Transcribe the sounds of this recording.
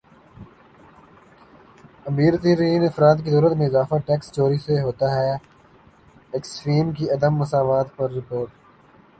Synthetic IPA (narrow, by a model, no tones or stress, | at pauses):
ɐmiːɾt̪iɾiːnɐfɾaːt̪kid̪ɔːɾət̪mẽɪzaːfaʈɛːkst͡ʃoːɾiseɦoːt̪aɦɛː | ɪksfiːmk̬iɐd̪əmːɐsaːʋaːt̪pɐɾːɪpoːɾʈ